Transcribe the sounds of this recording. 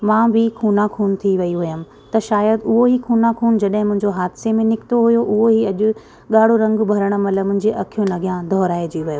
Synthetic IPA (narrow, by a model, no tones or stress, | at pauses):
mãbʱɪkʰuːnãkʰuːnt̪ʰiʋɐiɦʊjəm̆ | t̪ɐʃaːjəd̪ʊɦoɦikʰuːnãkʰuːnd͡ʑɐɗɦɪ̃mʊ̃ɦɪ̃ɲd͡ʑoɦaːd̪ɪsemẽnɪkɪ̥t̪oɦʊjoʔʊɦoɦiɐʄʊ | ɠaːɽ̤oɾɐ̃ŋɡbʱɐɾəɽ̃ə̆mɐləmʊ̃ɦɪ̃ɲd͡ʑeʔɐkʰijõnɐɡʱijãd̪ʱɔːɾaːed͡ʑiʋɐjo